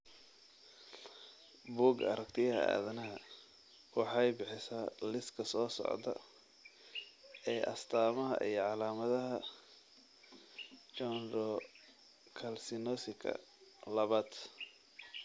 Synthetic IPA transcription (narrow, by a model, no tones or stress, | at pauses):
buːɡɐ̰ɾɐk̚t̪ʰɪjɐhɐ̰a̰ːðɐnɐɦɐ | wɑħɑjbɪħɪsaːlɪskʰɐsɔːsɔ̰ʕd̪ɐ̰ | ɛːʔɐst̪ʰaːmɐɦɐ̰ʔijɞʕɑlaːmɐðɐɦɐ | t͡ʃɔnɾɔ | kʰɐlsɪnɔsɪkʰɐ̰ | lɐβaːd̪